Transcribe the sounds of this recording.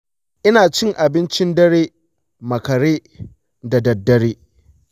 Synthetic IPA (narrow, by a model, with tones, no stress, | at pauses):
ʔɪ˦naː˨t͡ʃɪ˦ŋʔa˨bɪ˦nt͡ʃɪ˦ndɐ˦ɽeː˦ | mɐ˨kɐ˨ɽeː˦ | da˨dɐ˨dːɐ˦ɽeː˦